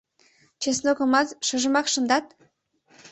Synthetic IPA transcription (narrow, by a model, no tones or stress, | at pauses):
t͡ɕesnoɣə̆mɑt̪ʃə̆ʒə̆mɑkʃə̆nd̪ɑt̪̚